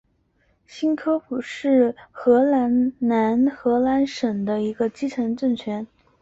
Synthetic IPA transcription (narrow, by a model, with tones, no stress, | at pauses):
ɕi˥nkʰɤ˥pu˨˩ʂɻ̩˥˩xɤ˧˥la˧˥nna˧˥nxɤ˧˥la˧˥nʂə˨˩ŋd̪ə˦i˧˥ɡə˧t͡ɕi˥ʈ͡ʂʰɤ˧˥ŋʈ͡ʂə˥˩ŋt͡ɕʰɥɛ˧˥n